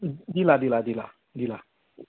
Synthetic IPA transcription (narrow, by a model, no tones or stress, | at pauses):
diladiladila | dila